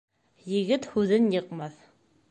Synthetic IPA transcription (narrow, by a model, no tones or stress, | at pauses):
jɘ̆ɡɘt̪hʉðɘnjɤ̆qmɑθ